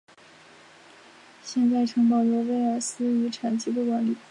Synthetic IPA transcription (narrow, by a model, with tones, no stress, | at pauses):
ɕjɛ˥˧nt͡sa˥˩ɪʈ͡ʂʰɤ˧˥ŋpɑ˨˩ʊlɔ˧˥ʋe˥ɪə˞˨˩sɹ̩˥y˧˥ʈ͡ʂʰa˨˩nt͡ɕi˧˥d̪u˥˩kwa˧˥nli˨˩˦